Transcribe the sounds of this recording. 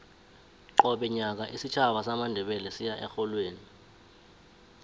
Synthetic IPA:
ǃɔɓɛɲak̬aʔisit͡ʃʰaɓasamandʱɛɓɛlɛsijaʔɛxɔlweːni

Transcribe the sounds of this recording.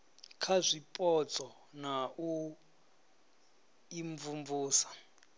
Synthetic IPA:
kʰazʷipʼɔt͡sʼɔ | naʔu | iɱvumvuːsḁ

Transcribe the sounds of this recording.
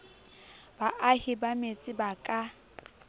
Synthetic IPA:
baʔahɪbamet͡sʼɪbakʼa

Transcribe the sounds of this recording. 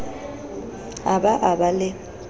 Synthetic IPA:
abaʔabalɪ

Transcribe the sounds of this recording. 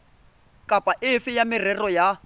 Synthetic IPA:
kʼapʼaʔɪfɪjamɪrɛrɔja

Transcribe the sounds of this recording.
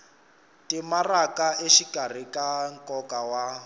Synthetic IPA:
tʼimarakʼaʔeʃikʼar̤ikʼaŋkʼɔkʼawa

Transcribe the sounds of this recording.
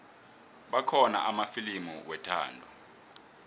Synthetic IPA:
ɓakʰɔna̰ʔamafilimuwɛtʰa̰ːndʱɔ

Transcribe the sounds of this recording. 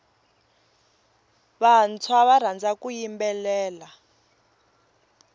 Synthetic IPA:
βant͡sʰwaβar̤and͡zakujimbɛlɛːla

